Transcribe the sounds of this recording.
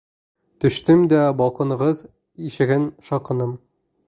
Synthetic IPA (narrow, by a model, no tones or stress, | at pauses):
t̪ɵ̆ʃt̪ɘmd̪æbɒlˠqɤ̆nɤ̆ʁɤð | iʃɘ̆ɡɘnʃɒqɤ̆nɤm